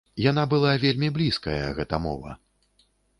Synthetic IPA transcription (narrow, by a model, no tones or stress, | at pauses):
jan̪abɨlˠavʲelʲmʲiblʲiskɐjɐ̰ɣɛt̪ɐmɔ̰vɐ̰